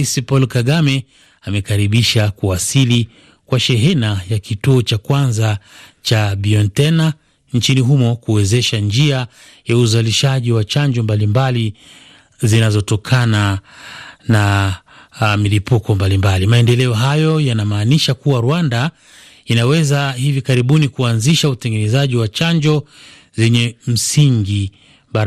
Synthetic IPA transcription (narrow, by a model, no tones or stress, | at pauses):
isipɔlkaɠamɛ | amɛkaɾiɓiʃakuasili | kwaʃɛɦɛnajakituɔt͡ʃakwanzat͡ʃaɓiɔntɛna | nt͡ʃiniɦumɔkuɛzɛʃand͡ʒia | jauzaliʃaʄiwat͡ʃaɲd͡ʒɔmbalimbali | zinazɔtɔkʰana | na | milipukɔmbalimbalimaɛndɛlɛɔɦajɔjanamaːniʃakuwaɾwanda | inawɛzahivikaɾiɓunikuanziʃautɛŋɡɛnɛzaʄiwat͡ʃaɲd͡ʒɔ | zɛɲɛm̩siŋɡi | ɓaɾ